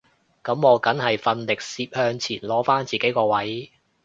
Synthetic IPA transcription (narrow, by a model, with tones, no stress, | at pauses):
kɐ˨˥mːɔː˨˧kɐ˨˥nhɐ˨jfɐ˧nlɪ˨k̚siː˧p̚hœː˧ŋt͡sʰiː˨˩nlɔː˨˥faː˥nt͡siː˨ke˨˥jkɔː˧wɐ˨˥j